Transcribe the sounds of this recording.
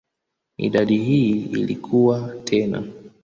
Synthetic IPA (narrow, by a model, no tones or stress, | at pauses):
ḭɗaɗihiḭlikʰuwatʰɛna̰